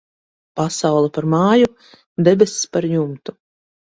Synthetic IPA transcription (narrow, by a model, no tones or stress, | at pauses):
pasawlˠapaɾmaːju | d̪ɛbʲɛsspaɾjumt̪u